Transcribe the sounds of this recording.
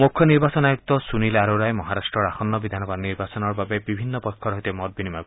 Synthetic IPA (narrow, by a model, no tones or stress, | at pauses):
mukʰːjɔniɾbasɔnajuk̚t̪ɔsunilaɾoɾajmɔɦaɾasʈɾɔɾaxɔnːɔbid̪ʱanɔbad̪niɾbasɔnɔɾbabebibʱinːɔpɔkʰːɔɾɔɦit̪emɔt̪̚binimaku